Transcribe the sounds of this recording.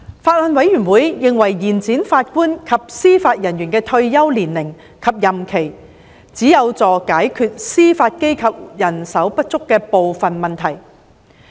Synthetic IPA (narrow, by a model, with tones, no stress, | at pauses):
faː˧t̚lɔ˨˧nwɐ˨˥jɥy˨˩nwuː˨˥jjɪ˨ŋwɐ˨˩jːiː˨˩nt͡siː˨˥nfaː˧t̚kuː˥nkʰɐ˨p̚siː˥faː˧t̚jɐ˨˩njyː˨˩nkɛː˧t̪ʰɵ˧ɥjɐ˥wliː˨˩nlɪ˨˩ŋ | kʰɐ˨p̚jɐ˨˩mkʰe˨˩j | t͡siː˨˥jɐ˨˧wt͡sɔː˨kaː˨˥jkʰyː˧t̚siː˥faː˧t̚ke˥jkʰɐ˨p̚jɐ˨˩nsɐ˨˥wpɐ˥t̚t͡sʊ˥kːɛː˧po˨wfɐ˨nmɐ˨nt̪ʰɐ˨˩j